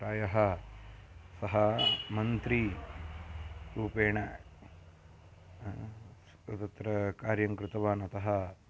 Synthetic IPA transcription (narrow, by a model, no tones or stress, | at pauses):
ɾaːjɐɦɐ | sɐɦɐmɐnt̪ɾi | ɾuːpeːɳɐ | s | ɐt̪ɐt̪ɾɐkaːɾjɐŋkɾɪt̪ɐʋaːnɐt̪ɐɦɐ